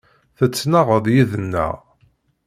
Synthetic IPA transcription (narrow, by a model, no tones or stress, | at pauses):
θət͡sːnaʁəðˤjiðənːæ̰ʁ